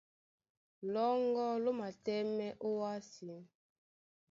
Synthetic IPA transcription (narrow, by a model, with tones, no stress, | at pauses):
lɔ˦ŋɡɔ˦lo˦ma˨tɛ˦mɛ˦ʔo˦wa˦si˨˦n